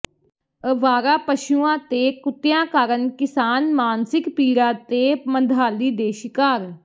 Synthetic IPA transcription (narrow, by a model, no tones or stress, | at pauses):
əʋaːɾaːpəʃuːãːt̪eːkʊt̪ːjãːkaːɾənkɪsaːnmaːnsɪkpiːɾãːt̪eːmənd̪ʱaːliːd̪eːʃɪkaːɾ